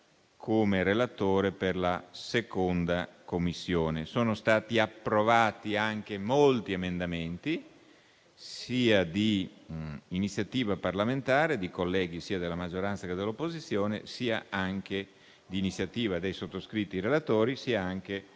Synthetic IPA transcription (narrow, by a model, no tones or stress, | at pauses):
kʰoːmeɾelat̪oːɾeperlasekond̪akomːisːjoːnesoːnost̪aːt̪iapːɾovaːt̪iaŋk̟emolt̪iemend̪ament̪i | siːad̪iː | nit̪sːjat̪iːvaparlament̪aːɾed̪ikolːɛːɡisiːad̪elːamad͡ʒoɾansaked̪elːopːozit̪sːjoːnḛsiːa̰aŋk̟e | d̪iːnit̪sːjat̪iːvad̪ejsot̪ːoskɾit̪ːiɾelat̪oːɾisiːaaŋk̟e